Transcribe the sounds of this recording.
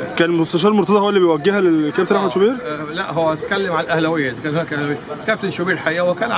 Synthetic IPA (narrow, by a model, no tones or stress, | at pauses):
kæːnmost̪æʃ̬ɑːɾelmoɾt̪ˤɑd̪ɑhowːælːiːbejwæɡːehælekæb̚t̪enʔaħmæd̪ʃobiːɾlæʔɦowːæʔæt̪kælːemʕanælʔæhlæwejːæʔzækæːnhonækʔæhlæwejkæb̚t̪enʃobiːɾħaiːʔæwekæːn